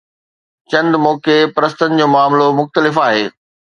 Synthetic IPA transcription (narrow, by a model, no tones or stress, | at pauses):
t͡ɕɐ̃nd̪mɔːkepɐɾəst̪ənɪ̆d͡ʑoːmaːmlomʊxt̪əlɪfaːɦeː